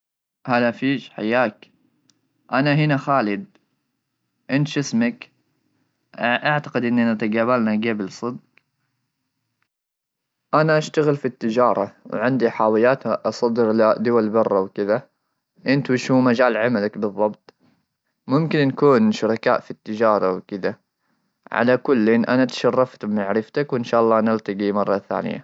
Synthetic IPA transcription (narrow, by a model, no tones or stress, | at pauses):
haːðafiːʃħa̰jːaːk | ʔanaɦɪnaxaːlɪd̪̚ | ʔɪnt̪ʃɪsmak | ʔaʕt̪ḁqɪd̪ʔɪnːʔɪnat̪aɡaːβalnaɡaːbɪlsˤɨd̪̚q | ʔanaʔaʃt̪aɣɪlfit̪ːɪd͡ʒɑːɾˤɑwʕɪnd̪iħaːwɪjaːt̪ʔɑsˤɑd̪ɪɾlad̪ʊwalbɑrˤːɑwkɪða | ʔɪnt̪wiʃuːmad͡ʒaːlʕamalakbɨðˤːɑbt̪ˤ | mʊmkɪnːakuːnʃʊɾˤɑka̰ːʔfit̪ːɪd͡ʒɑːɾˤɑwkɪd̪a | ʕa̰lakʊlːeːnʔanat̪ḁʃɑrˤːɑft̪bɪmaʕɾɪft̪akwɪnʃaːʔɑlˤːɑːnɪlt̪ɑɡimɑrˤːɑθa̰ːnɪ̰ja̰